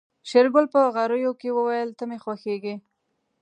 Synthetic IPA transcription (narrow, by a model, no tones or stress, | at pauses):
ʃeɾɡʊlpəɣaɾəjokewəwajəlt̪əmexwaxeɡe